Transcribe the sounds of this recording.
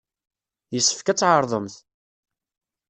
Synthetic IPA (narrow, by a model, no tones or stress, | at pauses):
jəsːə̥fkæt͡sːʕəɾˤðˤəmθ